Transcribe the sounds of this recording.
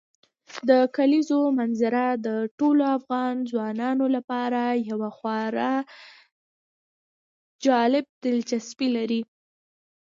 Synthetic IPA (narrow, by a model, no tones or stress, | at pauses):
d̪əkalizomanzɪɾad̪əʈoloafɣɑnzwɑnɑnolapɑɾajawaxwɑɾa | d͡ʒɑlɪb̚d̪ɪlt͡ʃaspilaɾi